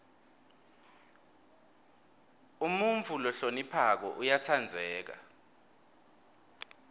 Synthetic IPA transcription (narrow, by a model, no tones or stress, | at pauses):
umuɱvʱulɔɬonipʰak̬ɔ̰ʔujatʰand͡zʱɛːk̬a̰